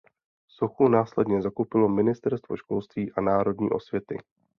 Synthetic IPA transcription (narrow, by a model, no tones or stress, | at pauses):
soxunaːslɛdɲɛzakowpɪlo̞mɪnɪst̪ɛɾst̪vo̞ʃkolst̪viːʔanaːɾo̞dɲḭːʔo̞svjɛt̪ɪ̰